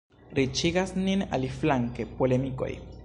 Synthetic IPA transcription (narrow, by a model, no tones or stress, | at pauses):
ɾit͡ʃiɡasnina̰liflaŋkepolemiko̞̰j